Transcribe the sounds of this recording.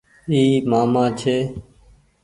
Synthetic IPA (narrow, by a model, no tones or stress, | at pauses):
iːmaːmãːt͡ʃʰeː